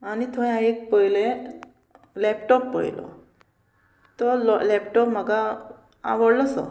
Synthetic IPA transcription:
anit̪ʰoj̃aek̚pəilẽ | lɛpʈɔpːə̰ḭlɔ̰ | t̪ɔlɔlɛpʈɔpməɡa | a̰ʋəɽlɔsɔ̰

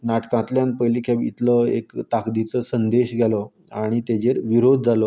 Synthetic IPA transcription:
naʈkãt̪ljãnpəjlikʰabḭt̪ləḛkt̪akd̪it͡səsənd̪eɕɡʱjalɔ | aɽ̃it̪ed͡ʑeɾʋiɾod̪̚ʱd͡zalɔ

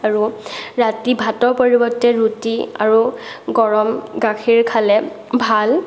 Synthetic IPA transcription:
aɹuɹatibʱatɔɹpoɹibɔtːɛɹutia̰ɹuɡɔɹɔmɡakʰiɹkʰalɛ | bʱal

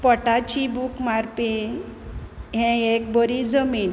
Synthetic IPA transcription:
pɔʈat͡ɕibʱukmaɾpi | ɦɛ̃ek̚bəɾid͡zəmiːn

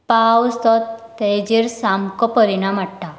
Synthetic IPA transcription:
pawst̪ɔt̪t̪ːed͡ʑiɾsamkɔpəɾinamaʈʈa

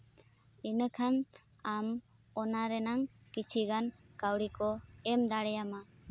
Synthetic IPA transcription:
inəkʰan | am | ɔnaɾɛnaŋkit͡ʃʰiɡankawɽikɔɛmd̪aɽɛjama

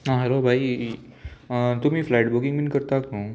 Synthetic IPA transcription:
ãɦɛlobʱai | t̪ʊmĩflaɪʈbukɪŋɡminkəɾt̪aknõ

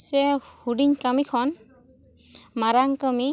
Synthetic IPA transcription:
sɛhuɖiŋkamikʰɔn | maɾaŋkami

